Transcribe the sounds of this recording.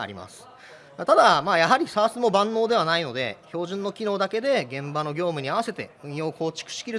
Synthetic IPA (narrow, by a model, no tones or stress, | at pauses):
a̰ɾʲḭma̰sɨ̥ | at̪ad̪amaːjaɦaɾʲisaːsɨmo̞bãnːo̞ːd̪e̞βanaino̞d̪e̞̰ço̞ːʑĩnːo̞kʲino̞ːd̪ake̞d̪e̞ɡẽ̞mbano̞ɡʲo̞ːmɯ̟ɲ̟iaβase̞t̪e̞̰ɯ̟̃ɰ̃jo̞ːko̞ːt͡ɕi̥kɯ̥ɕi̥kʲiɾɯ̟